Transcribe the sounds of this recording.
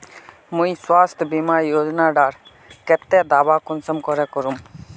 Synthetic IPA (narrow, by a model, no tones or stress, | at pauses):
mũjswast̪ʰbimaɾjod͡ʑɔnaɖaɾ | kɛt̪ːɛd̪abakunsɔmkɔɾekɔɾum